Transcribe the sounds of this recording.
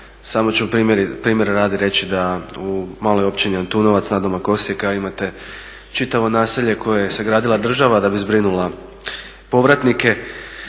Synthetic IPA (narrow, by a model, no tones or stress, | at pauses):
saːmo̞t͡ɕuupɾiːmjeɾipɾiːmje̞ɾɾaːd̪iɾe̞t͡ɕid̪aumaːlo̞jo̞pt͡ʃiniant̪uːno̞ʋat̪snad̪o̞mako̞sijekaoimat̪e̞ | t͡ʃit̪aʋo̞naːseʎe̞kʰojajese̞ɡɾaːd̪ilad̪r̩ʒaʋad̪abizbɾinulˠa | po̞ʋɾat̪nike̞